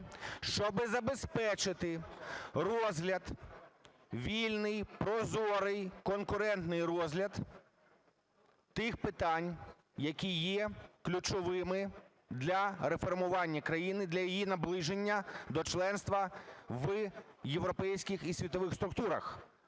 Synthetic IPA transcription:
ʃt͡ʃɔbɪzɐbespɛt͡ʃɪt̪ɪrɔzɦlʲɐd̪ | ʋʲilʲnɪjpɾɔzɔɾɪjkɔnkʊɾɛnt̪nɪjrɔzɦlʲɐd̪ | t̪ɪxpɪt̪ɑnʲ | jɐkʲijːɛklʲut͡ʃɔʋɪmɪ | d̪lʲɐɾefɔrmʊʋɑnʲːɐkɾɐjinɪd̪lʲɐjijinɐblˠɪʒenʲːɐd̪ɔt͡ʃlˠɛnst̪ʋɐʋjeʋɾɔpɛjsʲkʲɪxisʲʋʲit̪ɔʋɪxst̪ɾʊk̚t̪uɾɐ̰x

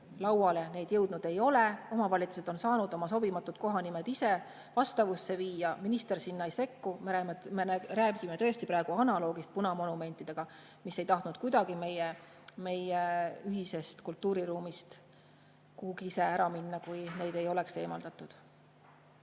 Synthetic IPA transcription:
lɑwɑle̞ne̞ːd̪̥jɤwd̪̥nud̪̥e̞jo̞le̞o̞mɑvɑlʲit̪su̥se̞d̪o̞nsɑːnud̪̥o̞mɑs̬o̞bimɑt̪ːˑud̪̥ko̞ɦɑnimed̪̥ise̞ | vɑst̪ɑvusːe̞viːjɑminist̪e̞rsinːɑejse̞kːumeɾæmemeæɾæːɡimet̪ɤest̪ipɾæːeɡ̥uɑnɑlo̞ːɡ̥ist̪̚punɑmo̞nume̞nt̪ːˑid̪̥e̞ɡ̥ɑ | misːe̞jt̪ɑht̪nud̪̥̚kujd̪̥ɑɡime̞je | me̞jeyɦise̞st̪kult̪ːˑuːɾiɾuːmist̪ | kuhuɡ̥iise̞æɾɑminːɑkujne̞ːd̪e̞jo̞le̞kse̞ːmɑld̪̥ɑt̪ːˑud̪̥

